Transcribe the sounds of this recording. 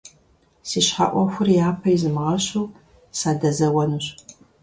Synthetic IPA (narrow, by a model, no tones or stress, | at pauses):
siɕħa̰ʔʷɔxʷʊrjaːpʰɐjizɨmʁɐɕuw | saːdɐzɐwɐnuɕ